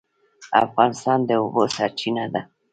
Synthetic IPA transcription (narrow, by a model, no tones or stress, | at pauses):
a̰fansand̪euβosat͡ʃinad̪a